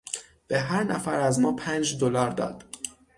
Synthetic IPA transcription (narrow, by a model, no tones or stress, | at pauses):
b̥eɦæɾnæfæɾæzmɒːpʰæːnd͡ʒd̪olɒːɾd̪ɒ̰ːd̪̥